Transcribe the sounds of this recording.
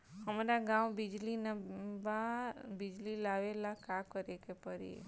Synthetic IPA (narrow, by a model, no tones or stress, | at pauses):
həmaɾaɡãʋbid͡ʒlinbabid͡ʒlilaʋelakakəɾekepəɾiḛ